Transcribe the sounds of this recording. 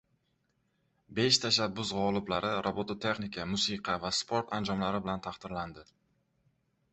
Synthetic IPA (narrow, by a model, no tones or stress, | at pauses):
be̞ʃt̪ʰaʃabːʊzʁɒlˠɪblaɾʔɪɾʔobot̪ʰot̪ʰe̞χnɪkʲʰamʊsiqʰɑvaspʰoɾt̪ʰand͡ʒɒmlaɾɪbɪlant̪ʰaχt̪ɪɾland̪ɪ